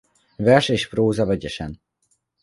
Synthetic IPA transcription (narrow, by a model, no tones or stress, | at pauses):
vɛrʃeːʃproːzɒvɛɟɛʃɛn